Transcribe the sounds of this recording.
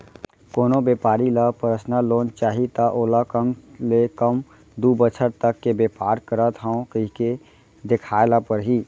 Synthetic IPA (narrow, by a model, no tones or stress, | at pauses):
koːnobjeːpaːɾilapəɾəsnaloːnt͡ʃaːɦit̪aʔoːlakəmlekəm | d̪uːbət͡ʃʰəɾt̪əkːebeːpaːɾkəɾat̪ʰaõkəɦike | d̪ɪkʰaːlapəɾɦiː